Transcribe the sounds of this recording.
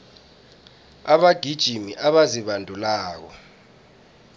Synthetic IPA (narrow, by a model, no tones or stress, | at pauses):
aɓaɡ̥ʱid̥ʒ̥ʱimiʔaɓaziɓandʱulaːk̬ɔ